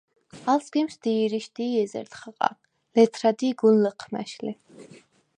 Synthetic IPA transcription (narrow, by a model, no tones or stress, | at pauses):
alsɡimsd̪̥iːɾiʃd̪iːɛzɛ̰ɾt̪χəqʼa̰ | lɛt̪ʰɾad̪iːɡulləqʰmæ̰ʃli